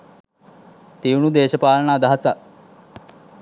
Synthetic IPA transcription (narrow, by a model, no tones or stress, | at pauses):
t̪iunud̪eːʃəpaːləɳaːd̪aɦasa